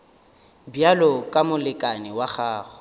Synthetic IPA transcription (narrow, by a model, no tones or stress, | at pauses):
bjalɔkʼamʊlɪkʼanɪwaχaːɣʊ̥